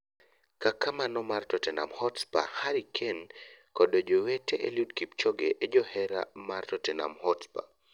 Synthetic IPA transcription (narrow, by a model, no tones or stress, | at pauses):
kakamanɔmartɔtɛna̰mhɔtspa̰haɾikʰenkɔdod͡ʒoweteʔḛludkip̚t͡ʃɔɡeʔed͡ʒɔhɛɾa̰martɔtɛna̰mhɔtspa̰